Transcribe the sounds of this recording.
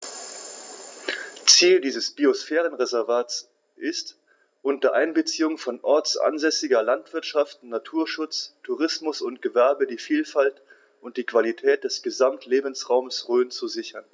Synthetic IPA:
t͡siːldiːzəsb̥iosfɛːʁənʁezɛɐvaːs | ʔɪst | ʔʊntɐʔaɪnbət͡siːʊŋfɔnʔɔɐt͡sʔa̰nzɛsɪɡɐlantv̥ɪɐtʃaftn̩nːatʰuːɐʃʊt͡stʰuʁɪsmʊsʊnt̚ɡ̥əvɛɐbədiːfiːlfalt | ʊnt̚d̥iːkv̥alitʰɛːt̚d̥ɛsɡ̥əzamtʰleːbn̩sʁaʊməsʁøːnt͡suzɪçɐn

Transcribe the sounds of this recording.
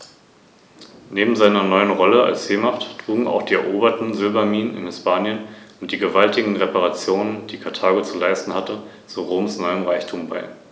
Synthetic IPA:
neːbm̩zaɪnɐnɔʏənʁɔləa̰lsz̥eːmaχttʁ̥uːɡŋ̩a̰ʊxd̥iːɛ̰ɐʔoːbɐtn̩zʏlbɐmiːnənɪ̰nhɪspʰaːnjənʊnt̚d̥iːɡəvaltɪɡŋ̩ʁɛpaʁat͡sjoːnənd̥iːkʰaɐtʰaːɡot͡sulaɪstn̩hatə | t͡suʁoːmsnɔʏəmʁaɪçtʰuːmbaɪ

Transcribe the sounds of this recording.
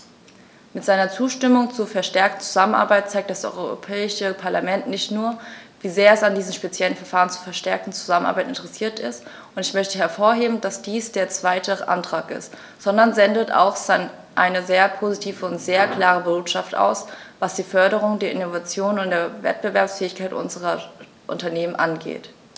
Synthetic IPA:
mɪtz̥aɪnɐt͡suːʃtɪmʊŋt͡suɐfɛɐʃtɛɐk̚tn̩t͡suzamənʔa̰ɐbaɪt̚t͡saɪk̚t̚d̥asʔɔ̰ʏʁoʁo̰pʰɛːɪʃəpʰaɐlamɛntnɪçtnuːɐviːzeːɐɛsandiːzm̩ʃpet͡sjɛlənfɛɐfaːʁənt͡su̥ːfɛɐʃtɛɐk̚tn̩t͡su̥zamənʔa̰ːbaɪtɪntəʁɛsiːɐtɪ̰st | ʔʊntɪçmœçtəɦɛɐfoːɐɦeːbm̩dasd̥iːsd̥eːɐt͡sv̥aɪtʰəʔa̰ntʁ̥aːkɪ̰st | z̥ɔndɐnzɛndəta̰ʊxa | ʔa̰ɪnəzeːɐpʰozitʰiːvəʊntz̥eːɐkl̥aːʁəbʊtʃaftʔa̰ʊsvasd̥iːfœɐɾəʁ̞ʊŋdeːɐʔɪnovat͡sjoːnʊnt̚d̥eːɐvɛ̰t̚b̥əvɛɐpsfɛːɪçkʰaɪtʔʊ̰nzəʁɐ | ʔʊ̰ntɐneːmənʔanɡḛːt

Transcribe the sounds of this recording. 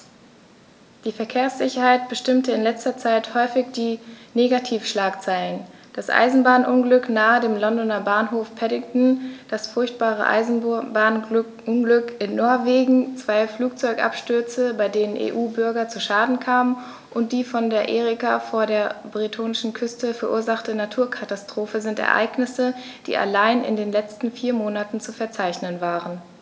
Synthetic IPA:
d̥iːfɛɐkʰeːɐsz̥ɪçɐhaɪtb̥əʃtɪmtəɪnlɛt͡stɐt͡saɪthɔʏfɪçd̥iːneːɡatʰiːfʃlaːkt͡saɪlən | d̥asʔa̰ɪzn̩baːnʔʊnɡlʏknaːədeːmlɔndɔnɐbaːnɦoːfpʰɛdɪŋtn̩d̥asfʊɐçt̚b̥aːʁ̞ə̰ʔa̰ɪz̩baːn | ʊnɡlʏkɪnːɔɐveːɡŋ̩t͡sv̥aɪfluːk̚t͡sɔʏkʔa̰pʃtʏɐt͡səbaɪdeːnənʔḛːʔuːbʏɐɡɐt͡suʃaːdn̩kʰaːmən | ʔʊnt̚d̥iːfɔndeːɐʔeːʁɪkafoːɐɾeːɐbʁitʰoːnɪʃn̩kʰʏstəfɛɐʔṵːɐzaχtənatʰuːɐkʰatastʁ̥oːfəzɪntɛ̰ɐʔa̰ɪknɪsə | d̥ḭːʔa̰laɪnʔɪ̰ndeːnlɛt͡stn̩fiːɐmoːnatn̩t͡sufɛɐt͡saɪçnənvaːʁən

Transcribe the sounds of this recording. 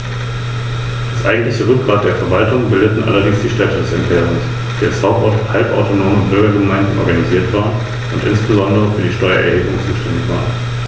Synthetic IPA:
dasʔa̰ɪɡŋ̩tlɪçəʁʏk̚ɡ̥ʁaːt̚d̥eːɐfɛɐvaltʊŋbɪldətn̩ʔa̰lɐdɪŋsd̥iːʃtɛtədɛsɛ̰mpʰɛːʁʊns | d̥iːalshaʊp̚tɔɐthalpʔa̰ʊtonoːmənʊntʁɔʏɐɡəmaɪnzn̩ʔɔ̰ɐɡaniziːɐtv̥aːʁn | ʔʊntʔɪ̰nsb̥əzɔndəʁəfyːɐdiːʃtɔʏɐ̰ʔɛɐheːbʊ̰ŋt͡suːʃtɛndɪçv̥a̰ːɐn

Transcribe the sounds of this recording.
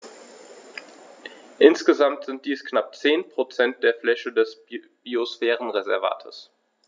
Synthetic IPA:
ʔɪnsɡ̥əzamtz̥ɪnt̚d̥iːsknap̚t͡seːnpʁ̥ot͡sɛnt̚d̥eːɐflɛʃədɛs | b̥iosfɛːʁən̩ʁezɛɐva̰ːtʰəs

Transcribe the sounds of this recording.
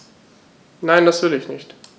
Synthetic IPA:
naɪndasv̥ɪlɪçnɪçt

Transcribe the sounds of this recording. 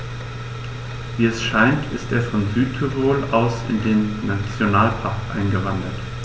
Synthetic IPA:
viːɛsʃaɪntʰɪsteːɐfɔnzyːtʰuvoːlaʊsɪ̰ndeːnːat͡sjonaːlpʰaɐkʔa̰ɪnɡəvandɐt

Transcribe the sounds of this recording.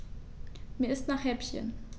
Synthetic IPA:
miːɐɪstnaːχhɛpçə̰n

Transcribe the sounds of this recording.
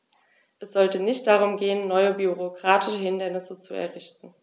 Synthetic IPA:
ʔɛsz̥ɔltənɪçt̚d̥aʁ̞ʊmɡeːənːɔʏəbyʁokʁ̥aːtʰɪʃəhɪndɐnɪsət͡suɛ̰ɐʁɪçtn̩

